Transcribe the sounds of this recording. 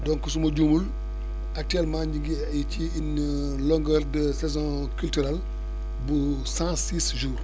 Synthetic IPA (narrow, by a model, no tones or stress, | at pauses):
dɔŋkəsumɐɟumul | ɐk̚tyɛlmãːɲɟiŋɡi | iciːn | lɔŋɡəɾdəsɛzɔ̃ | kyltyɾal | bu | sãsiːsʒuːr